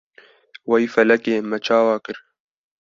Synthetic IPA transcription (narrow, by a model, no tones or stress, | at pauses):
wɐjfɐlɐkeːmɐt͡ʃʰaːwɑːkɨɾ